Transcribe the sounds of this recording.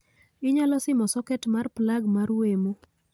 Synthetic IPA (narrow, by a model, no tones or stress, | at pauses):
ɪɲalɔsɪmɔsɔkɛtmarplaɡmaɾwemo